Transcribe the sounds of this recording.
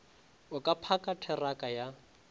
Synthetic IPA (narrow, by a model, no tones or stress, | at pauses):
ʊkʼapʰakʼatʰɛrakʼaja